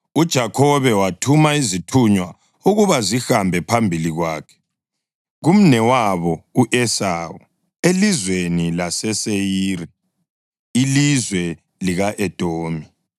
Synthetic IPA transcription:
ud̥ʒ̥ʱakʰɔβɛwatʰumaizitʰuɲwa | uɣuβazihambʱɛpʰambʱiliɣwaːkʰɛ̥ | ɣum̩nɛwaβɔuʔɛsaːwu | elizwenilasɛsejiːɾɛ | ilizwɛ | liɣaʔɛd̥ʼʱoːmi

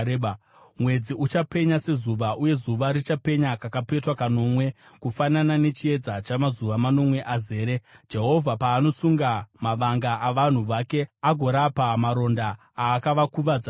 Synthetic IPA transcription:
eɓa | mwe̞d͡ziʔut͡ʃape̞ɲase̞zuʋaʔuje̞zuʋaɾit͡ʃape̞ɲakakape̞twakano̞mwe̞ | kufananane̞t͡ʃie̞d͡zat͡ʃamazuʋamano̞mwe̞ʔaze̞ːɾed͡ʒe̞ɦo̞vʱapaːno̞suŋɡamaʋaŋɡaʔaʋan̤uʋake̞aɡʱo̞ɾapamaɾo̞nda | aːkaʋakuʋad͡za

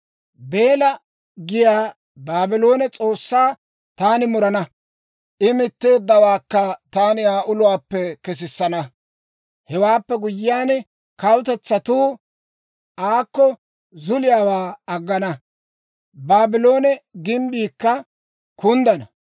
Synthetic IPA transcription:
be̞ːlɐ | ɡɪjaː | baːbɪlo̞ːnɛt͡sʼo̞ːsːaː | t̪aːnɪmʊɾɐnɐ | ʔɪmɪt̪ːeːd̪ːɐwaːkːɐt̪aːnɪaːʔʊlʊwaːpːɛkɛs̬ɪsːɐnɐ | hɛwaːpːɛɡʊjːɪjaːn | kɐwt̪ɛt͡sːɐt̪uː | ʔaːkːɔ | zʊlɪjaːwaːɐɡːɐnɐ | baːbɪlo̞ːnɛɡɪmbiːkːɐ | kʊnd̪ɐnɐ

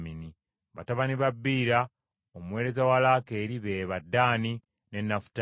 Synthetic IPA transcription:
mini | βataβaniβabːiːɾa | omuwe̞ːɾe̞zawalake̞ːɾiβe̞ːβadːaːni | ne̞nːafu̥t

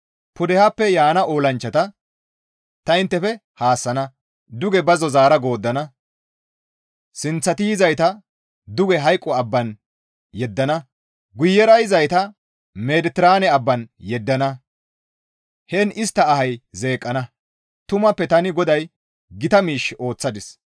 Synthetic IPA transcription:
pʊd̪ɛhapːɛjaːnɐʔoːlɐnt͡ʃːɐt̪ɐ | t̪ɐɪnt̪ːɛfɛhaːsːɐnɐ | d̪ʊɡɛbɐzɔzaːɾɐɡo̞ːd̪ːɐnɐ | sɪnt͡sːɐt̪ɪjɪzɐjt̪ɐ | d̪ʊɡɛɦɐjkʼːɔɐbːɐn | jɛd̪ːɐnɐ | ɡʊjːɛɾɐjzɐjt̪ɐ | med̪ɪt̪ɪɾaːnɛɐbːɐnjɛd̪ːɐnɐ | hɛnɪst̪ːɐːhɐjze̞ːkʼːɐnɐ | t̪ʊmɐpːɛt̪ɐnɪɡɔd̪ɐj | ɡɪt̪ɐmiːʃːo̞ːt͡sːɐd̪ɪs

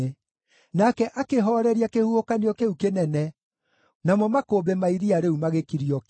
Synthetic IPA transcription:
e | nakɛʔakeɦɔɾɛɾiakehuhokaniɔkeukenɛnɛ | namɔmakobemaiɾiaɾeumaɣekiɾiɔ

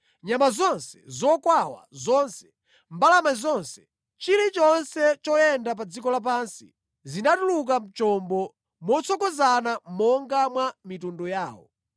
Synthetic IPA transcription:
ɲamazɔnsɛ̥zɔkwawa̰zɔnsɛ̥ | mbalamazɔnsɛ̥ | t͡ʃiɾit͡ʃɔnsɛt͡ʃɔjɛndap̬ad͡zikɔlap̬ansi | zinatuluk̬am̩t͡ʃɔmbɔ | mɔt͡sʰɔkɔzanamɔŋɡamwamitundɔjaːwɔ̰

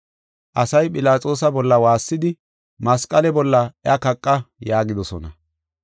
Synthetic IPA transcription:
ʔɐsɐjpʼɪlaːt͡sʼo̞ːs̬ɐbɔlːɐwaːsːɪd̪ɪ | mɐskʼːɐlɛbɔlːɐɪɐkɐkʼːɐjaːɡɪd̪ɔsɔnɐ

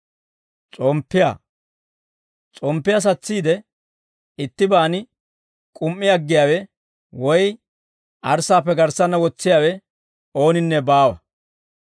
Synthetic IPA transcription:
t͡sʼɔmpːɪja̰ː | t͡sʼɔmpːɪjɐs̬ɐt͡sːiːd̪ɛ | ɪt̪ːɪbaːnɪ | kʼʊmːɪɐɡːɪjaːwɛ | wɔj | ʔɐɾsaːpːɛɡɐɾsɐnːɐwɔt͡sːɪjaːwɛ | o̞ːnɪnːɛbaːwɐ

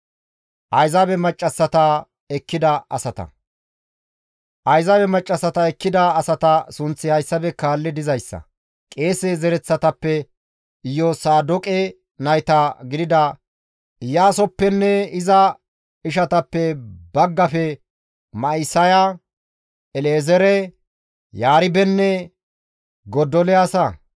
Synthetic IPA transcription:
ʔɐjzabɛmɐt͡ʃʼːɐsːɐt̪ɐ | ɛkːɪd̪ɐʔɐ̰sɐt̪ɐ̰ | ʔɐjzɐbɛmɐt͡ʃʼːɐsːɐt̪ɐɛkːɪd̪ɐːsɐt̪ɐsʊnt͡sːɪhɐjsːɐbɛkaːlːɪd̪ɪzɐjsːɐ̰ | kʼe̞ːsezɛɾɛt͡sːɐt̪ɐpːɛ | ɪjːɔsaːd̪ɔkʼɛ | nɐjt̪ɐɡɪd̪ɪd̪ɐ | ɪjaːsɔpːɛnːɛɪzɐ | ɪʃ̬ɐt̪ɐpːɛbɐɡːɐfɛ | mɐɪsɐjɐ | ɛleːzɛɾɛ | jaːɾɪbɛnːɛ | ɡɔd̪ɔlɛɐsɐ

